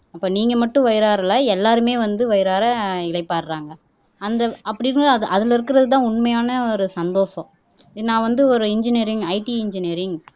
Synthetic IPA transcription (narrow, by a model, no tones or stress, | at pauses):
ɐpːoːniːŋɡɐmɐʈːʊ̃ʋɐjɪɾaːɾɐlɐɛlːaːɾɯmeːʋɐnd̪ɯʋɐjɪɾaːɾɐɪlɐɪpːaːɾɾaːŋɡɐ | ɐnd̪ɐʔɐpːɐɽɪɾɯnʔɐðɪlɪɾɯkːɪɾɐðɯt̪̬ãːʊɳmɐjaːnɐɔɾɯsɐnd̪oːʂɐ̃ | nãːʋɐnd̪ɯɔɾɯɪɲd͡ʒɪniːɾɪŋɡɐɪʈiɪɲd͡ʒɪniːɾɪŋɡ